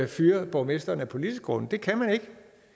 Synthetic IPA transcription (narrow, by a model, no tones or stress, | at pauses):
æfyːɐb̥ɒʊme̝sd̥ɐnəæpʰo̝lid̥isɡ̥ɡʁɔ̽nn̩d̥e̝kʰæmæne̝ɡ̥ə